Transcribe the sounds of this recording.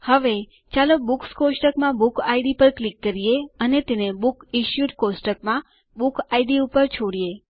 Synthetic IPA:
həʋe | t͡ʃaləbukskosʈəkmãbukaiɖipəɾklikːəɾijeənet̪enebukiʃjuʈkosʈək̚mã | bukaiɖiupəɾt͡ʃʰoɽie

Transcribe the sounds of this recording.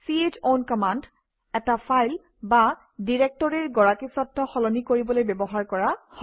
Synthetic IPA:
sied͡ʒonkɔmand | ɛtapʰajl | ba | diɹek̚tɔɹiɹɡɔɹakisɔtʰːɔxɔlɔnikoɹibɔlojbɛbɔɦaɹkɔɹahɔ

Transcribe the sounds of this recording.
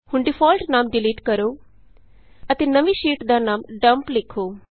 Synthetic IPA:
hʊɳɖɪpʰɔːlʈnaːmɖɪliːʈkəɾoː | ət̪eːnəʋiːʃiːʈd̪aːnaːmɖəmplɪkʰːoː

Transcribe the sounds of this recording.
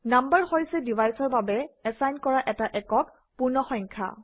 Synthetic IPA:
nambəɹxojsɛdivajsɔɹbabɛɛsajnkɔɹaʔɛtaʔɛkɔk | puɹnɔxɔjŋkʰa̰

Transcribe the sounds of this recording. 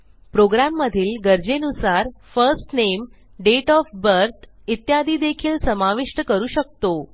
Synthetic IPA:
pɾoɡɾamːəd̪ʱiːlɡəɾd͡ʑenusaɾfəɾsʈnem | ɖeʈɔfbəɾt̪ʰ | it̪jad̪ʱiːd̪ekʰiːlsəmaʋiʂʈəkəɾuːɕək̚t̪o

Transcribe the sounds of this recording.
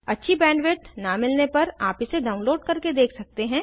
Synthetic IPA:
ɐtːʃʰibɛ̃ːɳɖʋɪʈnamɪlnepɐɾaːpɪseɖaːʊ̃nloːɖ̚kɐɾked̪eːkʰsɐk̚t̪eɦɛ̃ː

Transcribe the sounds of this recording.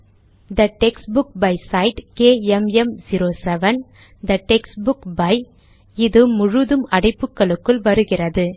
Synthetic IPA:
d̪ɐʈɛksbʊk̚bɐɪsɐɪʈkeːɛmɛmd͡ʒiɾoːsɛʋɐn | d̪ɐʈɛksbʊkbɐɪ | ɪðɯmʊɻɯðɯmɐɽɐɪpːɯkːɐɭɯkːɯɭʋɐɾɯɣɪrɐðɯ

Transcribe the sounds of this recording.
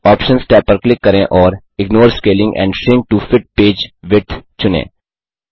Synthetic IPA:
ɔːpʃə̃nsʈɛːpːəɾklɪkːɐɾẽʔɔːɾ | ɪɡnoːɾskeːlɪ̃ŋɡɛ̰̃ːɳɖsɪ̃ŋk̚ʈufɪʈ̚peːd͡ʒʋɪʈʰt͡ʃʊnḛ̃ː

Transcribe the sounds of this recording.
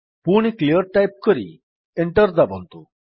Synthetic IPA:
puɽ̃iklijəɾʈajp̚kɔɾḭ | eɳʈəɾd̪abɔnt̪u

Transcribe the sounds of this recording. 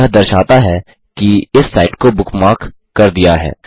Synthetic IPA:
ɦd̪ɐɾʃaːt̪aɦɛ | kiɪsːaːɪʈkobʊkmaːkː | kɐɾd̪ijaɦɛ̰ː

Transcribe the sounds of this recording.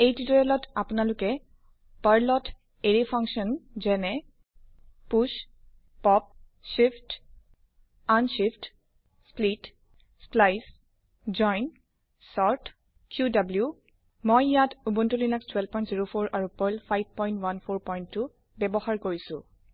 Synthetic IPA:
ejtitɔɹɛlɔtapʊnalʊkɛ | baɹlɔtʰ | eɹipʰãŋksɔnzɛnɛ | puʃ | pɔp̚ | ʃipt | anʃift | split | splajs | zɔjn | sɔɹt | kʰjudablju | mojjatubuntulilakstʰwɛlbpɔj̃ntziɹopʰoɹaɹupɔjlpʰajb̚pɔj̃ntwanpʰoɹpɔjntːʊ | bɛbɔhaɹkoɹisʊ̰̃

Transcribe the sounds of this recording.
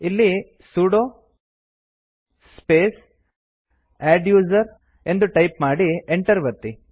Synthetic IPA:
ilːi | suːɽo | speːs | aːɖjuːzɐɾ | e̞nd̪uʈɐjpmaːɽieɳʈɐɾʋɐt̪i

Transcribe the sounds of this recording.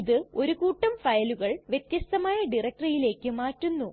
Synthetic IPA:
iðɨo̞ɾukuːʈːɐmfɐjɐluɣɐɭʋjet̪jɐst̪ɐmaːjɐɖirɐk̚ʈrɐjile̞ːkːɨmaːtːunːu

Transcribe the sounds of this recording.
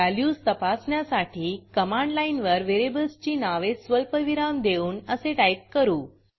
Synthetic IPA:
aljust̪əpasɳjasaʈiːkəmãɳɖlainʋəɾʋeɾebəlst͡ɕiːnaʋesʋəlpəʋiɾamd̪euːnəseʈajp̚kəɾuː

